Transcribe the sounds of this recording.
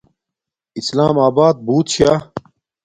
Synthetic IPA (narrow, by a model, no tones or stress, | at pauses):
islaːmaːbaːd̪̚buːt̪ɕjaː